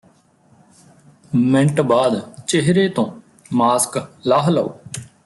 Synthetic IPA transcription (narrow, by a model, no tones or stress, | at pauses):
mɪ̃ɳʈbaːd̪t͡ʃeɦɾeːt̪õː | maːsklaːɦləo̰ː